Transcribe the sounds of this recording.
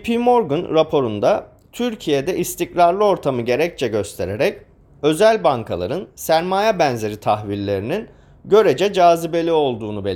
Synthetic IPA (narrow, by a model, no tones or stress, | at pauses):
pʰimoɾɡunɾapʰo̞ɾund̪a | t̪ʰyɾcʰije̞d̪ɛʔist̪ʰicɾaɾlˠɯo̞ɾt̪ʰamɯɟe̞ɾɛc̚t͡ʃʰɛɟø̞st̪ʰe̞ɾeɾɛc | ø̞zælʲbaŋkʰa̰lˠa̰ɾɯnsæɾmaːjɛbænze̞ɾit̪ʰaxvillːʲe̞ɾinin | ɟø̞ɾed͡ʒɛd͡ʒaːzibe̞lʲio̞lˠd̪uːnubelʲ